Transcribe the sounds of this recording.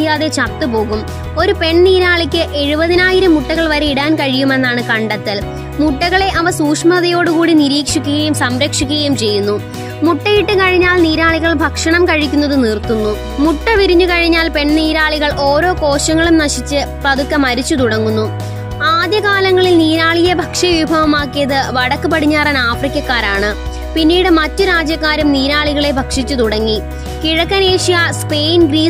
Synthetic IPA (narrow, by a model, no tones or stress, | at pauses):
jaːðe̞t͡ɕɐrt̪ːɨpo̞ːɣum | o̞ɾupe̞ɳniːɾaːɭikʲːɨʔe̞ɻubɐðinaːjiɾɐmuʈːɐɣɐɭʋɐɾe̞iɽaːnkɐɻijume̞nːaːɳɨkɐɳɖɐt̪ːɐl | muʈːɐɣɐɭe̞ʔɐʋɐsuːkʂmɐðɐjo̞ːɽukuːɽiniɾiːkʂikʲːuɣɐjumsɐmɾɐkʂikʲːuɣɐjumt͡ɕe̞jːunːu | muʈːɐjiʈːɨkɐɻiɲːaːlniːɾaːɭiɣɐɭbʱɐkʂɐɳɐmkɐɻikʲːunːɐðɨnirt̪unːu | muʈːɐʋiɾiɲːukɐɻiɲːaːlpe̞ɳniːɾaːɭiɣɐɭʔo̞ːɾo̞ːko̞ːɕɐŋːɐɭumnɐɕit͡ɕːɨpɐðukːɐmɐɾit͡ɕːut̪uɽɐŋːunːu | aːd̪jɐkaːlɐŋːɐɭilniːɾaːɭijebʱɐkʂɐʋibʱɐʋɐmaːkːijɐðɨʋɐɽɐkːɨpɐɽiɲːaːrɐnaːfrikʲjɐkːaːɾaːɳɨ | pinːiːɽɨmɐtːuɾaːd͡ʑjɐkːaːɾumniːɾaːɭiɣɐɭebʱɐkʂit͡ɕːut̪uɽɐŋːi | kiɻɐkːɐne̞ːʂijɐspe̞ːjnɡriː